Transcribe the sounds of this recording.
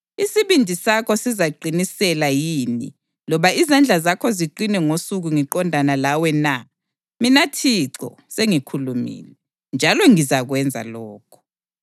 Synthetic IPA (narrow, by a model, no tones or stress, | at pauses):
isiβindʱisakʰɔsizaɡ͡ǀʱinisɛlajiːni | lɔβaizand͡ɮʱazakʰɔziǃinɛŋosuɣuŋiǃɔndʱanalawɛna | minatʰiǀɔ̰ | seŋikʰulumḭːlɛ | nd͡ʒʱalɔŋizaɣwɛnd͡zʱa̰lɔːkʰɔ̥